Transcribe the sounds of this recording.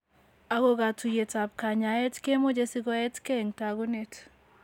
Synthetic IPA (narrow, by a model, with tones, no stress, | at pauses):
a˨ɡo˦ɡa˨tu˨je˨ta˨p̚ka˨ɲa˨ɛ˦tke˦mo˦d͡ʒe˦si˦ɡɔ˦ɛ˦tke˦˨ŋta˨ɡu˦ne˦t